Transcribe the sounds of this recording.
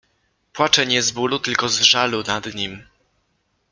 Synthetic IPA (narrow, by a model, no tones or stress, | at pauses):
pwat͡ʂɛɲɛzbulut̪ɘlkɔzʐalunad̪ɲim